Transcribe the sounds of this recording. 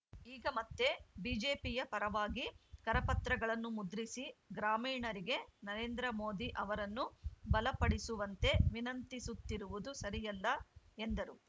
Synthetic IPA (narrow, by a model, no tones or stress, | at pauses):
iːɡɐmɐt̪ːe̞biːd͡ʒeːpijɐpɐɾɐʋaːɡikɐɾɐpɐt̪ɾɐɡɐɭɐnːumud̪ɾisiɡɾaːmiːɳɐɾiɡe̞nɐɾe̞ːnd̪ɾɐmo̞ːd̪iʔɐʋɐɾɐnːubɐlɐpɐɽisuʋɐnt̪e̞ʋinɐnt̪isut̪ːiɾuʋud̪usɐɾijɐlːɐend̪ɐɾu